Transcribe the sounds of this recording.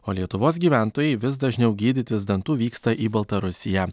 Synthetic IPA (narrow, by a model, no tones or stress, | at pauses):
oːlʲiɛt̪ʊʋoːsɡʲiːʋʲæˑnt̪oːjɛɪʋʲɪsd̪ɐʒʲnʲɛʊɡʲiːd̪ʲɪt̪ʲɪsd̪ɐnt̪uːʋʲiːkst̪ɐʔiːbɐlˠt̪ɐɾʊsʲɪjɛː